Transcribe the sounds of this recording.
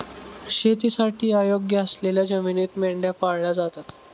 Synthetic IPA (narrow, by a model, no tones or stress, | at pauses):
ɕet̪̬isaʈʰiːajoɡjəəsleljad͡ʑəminit̪meɭɖjapaɽɭad͡zat̪at̪